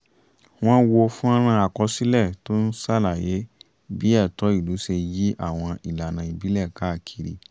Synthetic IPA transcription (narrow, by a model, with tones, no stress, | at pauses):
w̃ɔ̃˦wo˧fũ˦ã˦ɾ̃ã˧a˨kɔ˧˦si˦lɛ˦˨to˦n̩˦sa˦˨la˨je˨˦ | bi˨˦ɛ˦˨tɔ˨˦i˦˨lu˨˦ʃe˧ji˦ʔa̰˦˨w̃ɔ̃˧ʔi˨la˨nã˧˨i˨bi˨˦lɛ˦˨ka˨˦˨kʰi˨ɾḭ˨˦